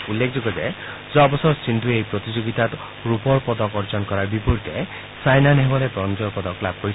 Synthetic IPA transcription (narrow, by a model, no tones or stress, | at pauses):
ulːekʰd͡ʒoɡɔd͡ʒe | d͡ʒɔbɔsɔɾsind̪ʱuejpɾɔt̪id͡ʒoɡit̪at̪ | ɾupɔɾpɔd̪ɔkɔɾd͡ʒɔnkɔɾaɾbipɔɾit̪e | sajnaneɦbɔɾebɾɔnd͡ʒɔɾpɔd̪ɔklab̚koi